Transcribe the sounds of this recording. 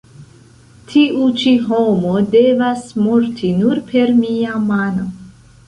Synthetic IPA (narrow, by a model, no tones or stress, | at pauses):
tʰiʔut͡ʃiɦo̞mo̞de̞vasmoɾtʰinuɾpʰe̞ɾmiamano